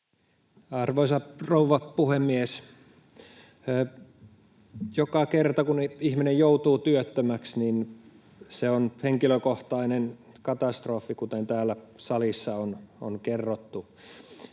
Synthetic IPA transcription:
ɑrʋoisɑrouʋɑpuhemːies | jokɑkert̪ɑkunihminejjout̪uːt̪yøt̪ːømæksnin | seonheŋkiløkoht̪ɑinen | kɑt̪ɑst̪rofːikut̪ent̪æːlːæsɑlisːɑono̰nkerːot̪ːu

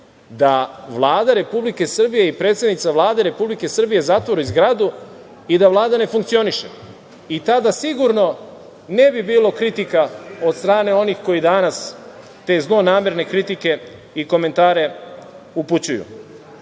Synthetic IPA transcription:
d̪aʋlˠaːd̪aɾe̞publike̞sr̩bije̞ipɾe̞t̪se̞d̪nit̪saʋlˠaːd̪e̞ɾe̞publike̞sr̩bije̞zat̪ʋo̞ɾuizɡɾad̪u | id̪aʋlˠaːd̪ane̞fuŋk̚t̪sio̞niʃḛ | it̪ad̪asiɡuɾno̞ | ne̞bibiːlˠo̞kɾit̪ikao̞d̪st̪ɾaːne̞o̞nixko̞jid̪anas | t̪e̞ːzno̞naːme̞ɾne̞kɾit̪ike̞ | iko̞me̞nt̪aːɾe̞ | uput͡ɕujṵ

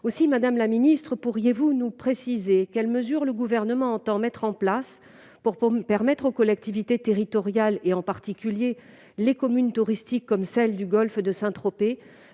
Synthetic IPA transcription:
osimad̪amlaminist̪χəpuʁjevunupχesizekɛlməzyʁləɡuvɛʁnəmɑ̃ːt̪ɑ̃mɛt̪χɑ̃plas | puʁpɛʁmɛt̪χokɔlɛk̚t̪ivit̪et̪eʁit̪ɔʁjaleɑ̃paʁt̪ikʲylje | lekɔmynt̪uʁist̪ikːɔmsɛld̪yɡɔlfd̪əsɛ̃t̪χɔpe

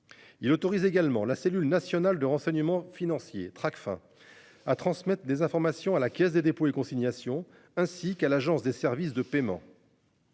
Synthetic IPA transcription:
ilot̪ɔʁizeɡalmɑ̰̃laselylnasjɔnald̪əʁɑ̃sɛɲəmɑ̃finɑ̃sjḛt̪χakfɛ̰̃ | at̪χɑ̃smɛt̪χd̪ezɛ̃fɔʁmasjɔ̃alakʲɛs̬d̪ed̪epoekɔ̃siɲjasjɔ̃ | ɛ̃sikalaʒɑ̃sd̪esɛʁvisd̪əpemɑ̰̃

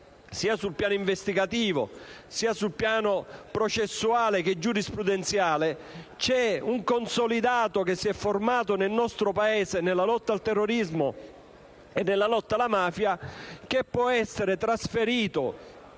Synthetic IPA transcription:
siːasulpjaːnoʊiɱvest̪iɡat̪iːvo̰siːasulpjaːnopɾot͡ʃesːuaːleked͡ʒːuɾispɾud̪ent̪sjaːlet͡ʃɛuŋkonsolid̪aːt̪okesːiɛfːormaːt̪̬onelnɔst̪ɾopaeːzenelːalɔt̪ːalt̪ɛrːoɾizmo | enːelːalɔt̪ːalamaːfjak̟epːwɔɛsːeɾet̪ɾasfeɾiːt̪o̰

